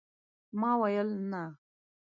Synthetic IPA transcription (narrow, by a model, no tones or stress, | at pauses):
maːwɐjəlna